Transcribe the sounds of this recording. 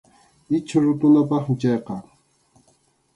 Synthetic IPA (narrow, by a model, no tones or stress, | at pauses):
ɪt͡ʃʰaɾʊt̪ʊnapɑχmɪt͡ʃɑjqɑ